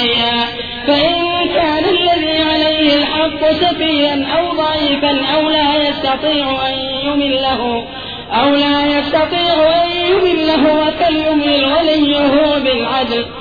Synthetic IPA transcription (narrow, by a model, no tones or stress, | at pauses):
jaː | faʔɪnkaːnalːaðiːʕalajhɪlħɑqːʊsɑfiːʔanʔawd̪ˤɑʕiːfanʔawlaːjɑst̪ɑt̪ˤiːʕʊʔanjʊmɪnlaɦʊ | ʔawlaːjɑst̪ɑt̪ˤiːʕʊʔanjʊmɪnlaɦʊwakaljʊmɪlwalɪjːʊɦʊwabɪlʕad̪l